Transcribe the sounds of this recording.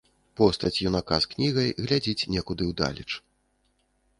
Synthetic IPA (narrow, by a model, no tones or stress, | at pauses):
pɔst̪ɐt͡sʲjunakasknʲiɣɐjɣlʲad͡zʲit͡sʲnʲɛkud̪ɨwd̪a̰lʲit͡ʂ